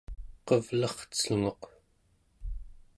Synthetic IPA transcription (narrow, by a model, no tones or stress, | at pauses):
qʌvlʌχt͡səŋoq